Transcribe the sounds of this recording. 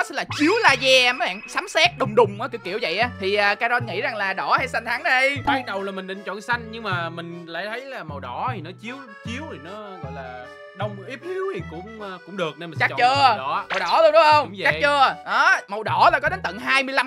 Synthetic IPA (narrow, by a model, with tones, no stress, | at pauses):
nɔ˨˦sɛ̰˧˥nlaː˨˩t͡ɕi˨˦əwlaː˧zɛ˧˩mə˨˦jɓa̰ː˧˨ŋsaː˨˦msɛː˦˥t̚ɗʊ˨˩wŋ͡mɗʊ˨˩ŋ͡mʔaː˨˦ki˧˥wkḭ˧˩˨əwvə̰˧˨jʔaː˨˦t̪ʰi˨˩ʔaː˨˩kaː˧zɔ˧nŋḭ˧˥za˨˩ŋlaː˨˩ɗɔ˧˩haː˧jsa˧ŋ̟t̪ʰa˨˦ŋɗə˧jɓaː˧k̚ɗə˨˩wlaː˨˩mï˨˩ŋɗɨ̰˧˨ŋt͡ɕɔ̰˧˨nsa˧jŋ̟ɲɨ˧ŋmaː˨˩mï˨˩ŋ̟la̰ː˧˩jt̪ʰə˨˦jlaː˨˩mə˨˩wɗɔ˧˩˥t̪ʰi˨˩nɔ˨˦t͡ɕi˨˦əw | t͡ɕi˨˦əwt̪ʰi˨˩nɔ˨˦ɣɔ̰˧˨jlaː˨˩ | ɗə˧wŋ͡mʔi˦˥p̚hi˨˦əwt̪ʰi˨˩kʊ̰˧˥ŋ͡mːkʊ˧˥ŋ͡mɗɨ˨˩ək̚ne˧m˨˩t͡ɕa̰˦˥˨t͡ɕəː˧˨ɔ˧˩˦mə˨˩wɗɔ˧˩lɗʊ˨˦˥ʔə˧wŋ͡m̰ŋ͡mt͡ɕa˦˨t͡ɕəː˧ʔɔ˨˦mə˨˩wɗɔ˧˩laː˨˩kɔ˨˦ɗe˨˦nt̪ə̰˧˨ŋɦaː˧jmɨ˧əjla˧m